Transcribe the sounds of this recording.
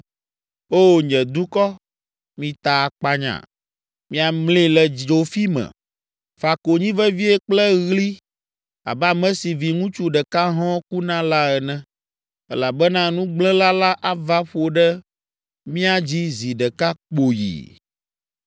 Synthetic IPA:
o˦˨ɲɛ̃˨d̪u˦kɔ˦ | mĩ˨t̪a˨k͡pa˦ɲã̰˨ | mĩ˦a˨mlĩ˦lɛ˨d͡ʒo˨fi˦mɛ̰̃˨ | fa˨ko˨ɲĩ˦vɛ˦vi˦ɛ˦k͡plɛ˦ɣli˦ | a̰˨bɛ˦a˦mɛ̃˦si˨vi˨ŋũ˦t͡ʃu˦ɖɛ˨ka˦ɦɔ̃˦ku˦nã˦la˦ɛ˨nɛ̃˨ | ɛ˦la˨bɛ˦nã˦nũ˦ɡ͡blɛ̃˦la˦la˦ʔa˨va˦ɸo˨ɖɛ˦ | mĩ˦a˨d͡ʑi˦zi˨ɖɛ˨ka˦k͡po˨jḭ˨

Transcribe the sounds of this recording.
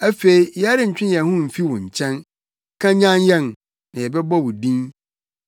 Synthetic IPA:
æ˦fe˨i˨jɛ˦a˦ɾɪ̃˦ɲ̩˨t͡ɕᶣɪ̃˦njɛ˨hʊ̃˦m̩˨fi˦wɔ̃˨ɲ̩˨t͡ɕʰɛ̃˦n | kʰã˦ɲã˦njɛ̃˦˨n | nã˨jɛ˨bɛ˦bɔ˦wʊ˨dĩ˦n

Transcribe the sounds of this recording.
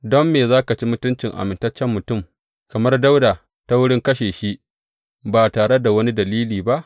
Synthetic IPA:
dɔ˦mːeː˨zaː˦ka˨t͡ʃi˦mʊ˦tʊ˦nt͡ʃɪ˨ŋʔa̰˨mɪ˨ntɐ˦t͡ʃːɛ˦mːʊ˨tʊ˦˨m | kɐ˨mɐ˦rda˦wda˨ | ta˦wʊ˦ɽɪ˦ŋkɐ˦ʃeː˨ʃi˦ʔ | baː˨taː˨ɽe˦da˨wɐ˦ni˦dɐ˨liː˦liː˨ba˦ʔ

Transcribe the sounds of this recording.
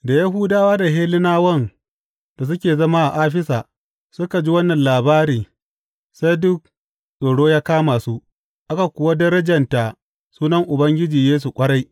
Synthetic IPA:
da˨ja˦ɦʊ˦daː˦waː˦da˨ɦeː˦lɪ˦naː˦wɐ˦n | d̥a˨s̬ʊ˦kʲeː˨zɐ˦maː˦ʔa˨ʔaː˦ɸɪ˦saː˨ | sʊ˦ka˨d͡ʒi˦wɐ˦nːɐ˨nlaː˨baː˦ɾiː˨ | sa˦jdʊ˦k̚ | ɗo˨ɽoː˦jaː˦kaː˦ma˨su˦ | ʔa˦ka˨kʷʊ˨wa˦dɐ˦ɾɐ˦d͡ʒɐ˨nta˨ | suː˦nɐ˦ŋʔʊ˨bɐ˦ŋɡʲɪ˦d͡ʒiː˨jeː˦s̬u˨kʷʼɐ˦ɽa˦j

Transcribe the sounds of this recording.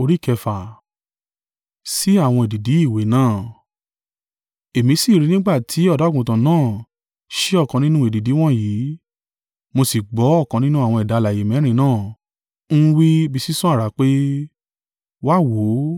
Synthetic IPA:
o˧ɾi˦kɛ˧fa˨ | si˦a˦˨w̃ɔ̃˧e˨di˨di˨˦i˦˨we˨˦nãː˦˨ | e˨mĩ˧˦si˦˨ɾi˧nĩ˦ɡ͡ba˦˨tʰi˨˦ɔ˦˨da˨˦˨ɡũ˨tã˨nãː˦˨ | ʃe˦ɔ˦˨kã˧nĩ˦nũ˦e˨di˨di˨˦w̃ɔ̃˦jiː˨˦ | mo˧si˨ɡ͡bɔ˨˦ɔ˦˨kã˧nĩ˦nũ˦a˦˨w̃ɔ̃˧ɛ˨da˨˧˦la˨je˨˦mɛ̃˨˦ɾ̃ĩ˧nãː˦˨ | n̩˦wi˦bi˧si˦sũ˦a˦˨ɾa˨k͡pe˦ | wa˦˨wo˨˦

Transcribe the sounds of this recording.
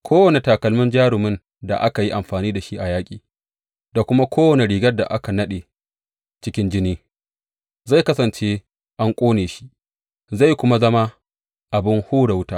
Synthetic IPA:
kʷʰoː˦wɐ˨ne˨taː˨kɐ˨lmʊ˦nd͡ʒaː˦ɽʊ˨mɪ˦n | da̰˨ʔa˦ka˨ji˦ʔa˨mɸaː˨niː˦da˨ʃi˦ʔa˨jaː˦kʲʼiː˨ | da˨kʷʊ˦ma˦kʷʰoː˦wɐ˨ne˨ɽiː˨ɡɐ˦rda̰˨ʔa˦ka˨nɐ˦ɗeː˨ | t͡ʃɪ˦kʲɪ˦nd͡ʒɪ˦niː˦ | za˦˨kɐ˦sɐ˨nt͡ʃeː˦ | ʔa˦ŋkʷʼoː˦neː˨ʃi̥˦ʔ | za˦˨jkʷʊ˦ma˦zɐ˦ma˦ | ʔa˨bɪ˦ŋhuː˦ɽa˨wʊ˦taː˦

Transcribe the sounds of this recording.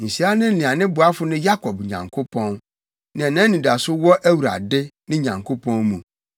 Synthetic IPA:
n̩˨si˨˦a˦nɪ̃˦n̩˦lĩ˨a˨nɪ̃˦bʊ˨a˦fʊ˦nɪ̃˦ja˦kʰɔ˨bɲã̰˨ŋkʰʊ˦pʰɔ̃˦n | nɪ̃˨ɛ˨nã˦nĩ˨da˨sʊ˦wɔ˦ʔæ˦wu˨ɾa̰˨dɪ˦nɪ̃˦ɲã˨ŋkʰo˦pʰɔ̃˦nmũ˨

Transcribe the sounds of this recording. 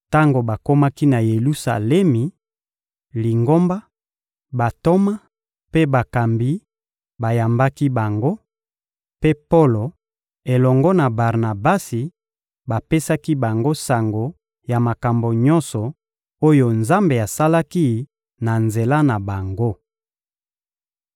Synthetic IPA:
ta˦ŋɡo˨ba˨ko˦ma˦ki˦na˨je˨lu˦sa̰˨lɛ˦mi˨ | li˨ŋɡo˦mba˦ | ba˨to˦ma˦ | pe˦ba˨ka˨mbi˦ | ba˨ja˨mba˦ki˦ba˨ŋɡo˦ | pe˦po˦lo˨ | e˨lɔ˨ŋɡɔ˦na˨ba˨ʁna˨ba˦si˨ | ba˨pe˦sa˦ki˦ba˨ŋɡo˦sa˨ŋɡo˨ | ja˨ma˨ka˨mbo˨ɲɔ̃˦nsɔ˨ | o˦jo˨nza˦mbe˨a˨sa˦la˦ki˦ | na˨nze˨la˦na˨ba˨ŋɡo˦

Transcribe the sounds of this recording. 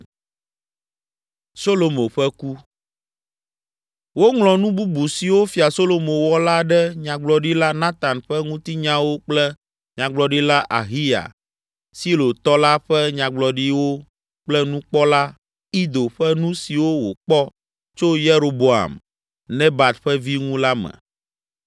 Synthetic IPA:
so˦lo˨mõ˨ɸɛ˦ku˦ | wo˦ŋlɔ̃˨nũ˦bu˦bu˨si˨wo˦fi˨a˨so˦lo˨mõ˨wɔ˦la˦ɖɛ˦ɲã˨ɡ͡blɔ˨ɖi˦la˦nã˦t̪a˨nɸɛ˦ŋũ˦t̪i˦ɲã˦wo˦k͡plɛ˦ | ɲã˨ɡ͡blɔ˨ɖi˦la˦ʔa˨ɦi˦ja̰˨ | si˦lo˨t̪ɔ˦la˦ɸɛ˦ɲã˨ɡ͡blɔ˨ɖi˦wo˦ | k͡plɛ˦nũ˦k͡pɔ˦la˦ | i˦d̪o˨ɸɛ˦nũ˦si˨wo˦wo˨k͡pɔ˦ | t͡ʃo˦je˦ɾo˨bo˨a̰˨m | nɛ̃˦ba˨t̪ɸɛ˦vi˦ŋũ˦la˦mɛ̰̃˨

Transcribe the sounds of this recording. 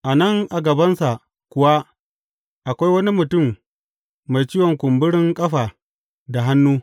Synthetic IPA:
ʔa˨nɐ˦˨ŋʔa˨ɡɐ˨bɐ˦nsa˨ʔ | kʷʊ˨wa˦ | ʔa˨kʷa˦jwɐ˦ni˦mʊ˨tʊ˦˨mː | a˨jt͡ʃiː˦wɔ˨ŋkʷʊ˨mbʊ˦ɽɪ˦ŋkʼɐ˦ɸaː˨ | da˨ɦa˦nːuː˦

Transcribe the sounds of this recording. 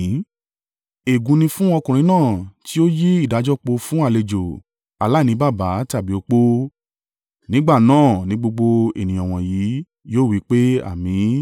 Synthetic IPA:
e˨ɡũ˨˧nĩ˧fũ˦ɔ˧kũ˨ɾ̃ĩ˧˦nãː˦˨ti˦o˦ji˦i˦˨da˨˧˦d͡ʒɔ˦˨k͡po˧fũ˦a˦˨le˨d͡ʒo˨ | a˨la˦˨nĩ˧˦ba˦˨ba˨˦ta˦˨bi˨˦o˨˧k͡po˦ | nĩ˦ɡ͡ba˦˨nãː˦˨nĩ˨˦ɡ͡bo˧ɡ͡bo˧ḛ˨nĩ˨ɔ̃˨w̃ɔ̃˨jiː˨˦ | joː˦˨wi˨˦k͡pe˦a̰˦˨mĩ˨˦

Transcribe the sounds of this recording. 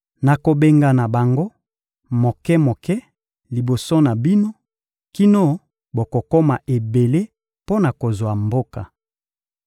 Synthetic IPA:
na˨ko˨be˦ŋɡa˨na˨ba˨ŋɡo˦ | mo˨kɛ˦mo˨kɛ˦ | li˨bo˨so˦na˨bi˦no˦ | ki˦no˦ | bo˨ko˨ko˦ma˨ʔe˨be˨le˦ | po˦na˨ko˨zwa˨mbo˦ka˨

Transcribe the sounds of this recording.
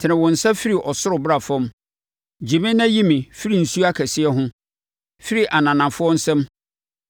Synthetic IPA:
tʰɪ˨nɪ̃˨wɔ̃˨n̩˨sa˦fi˦ɾi˨ʔɔ˨sʊ˦ɾʊ˨bʊ˦ɾa˨fɔ̃˦m | d͡ʑi˨mɪ̃˦nã˦ji˦mĩ˨fi˦ɾi˨n̩˨su˦a˦kʰæ˨sɪ˦ɛ˦ɦʊ̃˦ | fi˦ɾi˨ʔa˨nã˨nã˨fʊ˦ɔ˦n̩˦sɛ̃˦m

